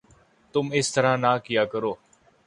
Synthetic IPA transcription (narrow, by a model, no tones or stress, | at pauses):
t̪ʊmɪst̪əɾãːnãːkɪjaːkəɾoː